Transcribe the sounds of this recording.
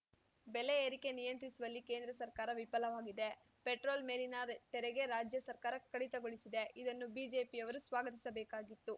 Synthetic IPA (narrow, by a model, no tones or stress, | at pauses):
bɛleeːɾike̞nijɐnt̪ɾisuʋɐlːike̞ːnd̪ɾɐsɐɾkaːɾɐʋipɐlɐʋaːɡid̪e̞ | peʈɾo̞ːlmeːlinɐt̪ɛɾɛɡe̞ɾaːd͡ʒjɐsɐɾkaːɾɐkɐɽit̪ɐɡoɭisid̪e̞ʔid̪ɐnːubiːd͡ʒe̞ːpiɐʋɐɾusʋaːɡɐt̪̬i̥sɐbɛːkaːɡit̪ːu